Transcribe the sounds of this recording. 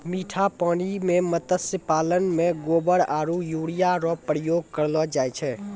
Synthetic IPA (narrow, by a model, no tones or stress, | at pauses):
miʈʰapañimemət̪əsəpalənmeɡobəɾaɾujuɽijaɾɔpɾəjoɡ̚kəɾlɔd͡ʒajt͡ʃʰɛ